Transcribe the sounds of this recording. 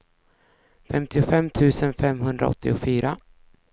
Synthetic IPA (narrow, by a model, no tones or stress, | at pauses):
fɛmt̪ʰɪʊfɛmːt̪ʰʉ̟ːsənfɛmːɦɵnd̪ɾa̰ɔ̰t̪ːɪʊfyːɾa